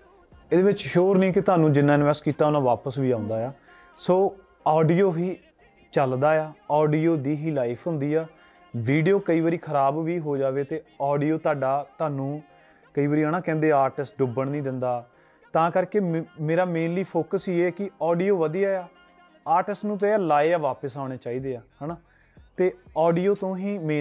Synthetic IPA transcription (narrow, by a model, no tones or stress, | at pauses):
eːd̪eːʋɪt͡ʃʃoːɾnĩːkɪt̪ʊaːnũːd͡ʒɪnːãːɪnʋɛːsʈkiːt̪aːʊnãːʋaːpəsʋiːãːʊnd̪aːjaː | soː | ɔːɖiːoːɦiː | t͡ʃəld̪aːjaːɔːɖiːoːd̪iːɦiːlaːɪpʰɦʊ̃nd̪iːɛː | ʋiːɖijoːkəiːʋəɾiːkʰəɾaːbʋiːɦoːd͡ʒaːʋeːt̪eːɔːɖiːoːt̪aːɖaːt̪aːnũː | kəiːʋəɾiːaːnãːkɛ̃ːnd̪eːaːɾʈɪsʈɖʊbəɳnĩːd̪ɪnd̪aː | t̪ãːkəɾkeːmeːɾaːmẽːnliːpʰoːkəsiːeːkɪɔːɖijoːʋəd̪ijaːaː | aːɾʈɪsʈnũːt̪̬eaːlaːeːaːʋaːpəsaːʊɽ̃eːt͡ʃaːiːd̪eːaːɦɛːnaː | t̪eːɔːɖiːoːt̪õːɦiːmẽː